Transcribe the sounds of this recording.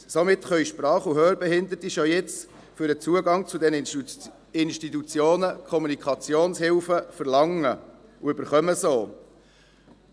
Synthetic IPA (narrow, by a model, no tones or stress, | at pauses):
somɪt̪χœiʃpɾɑːχuɦøːɾbɛɦhɪnd̪əɾtiʃojɪt͡s | føɾət͡suəɡɑŋt͡sʊd̪ɛnə | ɪnʃtit̪ut͡sjoːnəkʰɔmunikʰɑt͡sjoːnshɪlfəfəɾlɑŋːə | uʏbəɾχœməsoː